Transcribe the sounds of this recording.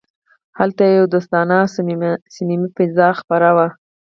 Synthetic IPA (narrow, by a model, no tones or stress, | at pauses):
halt̪ajewd̪ʊst̪ɑnɑssinimipɪzɑxpaɾawa